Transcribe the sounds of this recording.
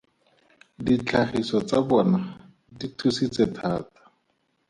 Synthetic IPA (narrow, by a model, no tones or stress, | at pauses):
dit͡ɬʰaχisɔt͡sabɔna | ditʰusit͡sɛtʰaːtḁ